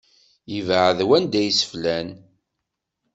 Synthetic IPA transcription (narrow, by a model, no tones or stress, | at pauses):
jəvəʕðwænd̪æjsə̥flæn